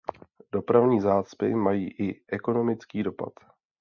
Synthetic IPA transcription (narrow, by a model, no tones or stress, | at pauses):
d̥o̞pɾavɲiːzaːt͡spɪmajiːʔɪʔɛko̞no̞mɪt͡skiːdo̞pa̰t̪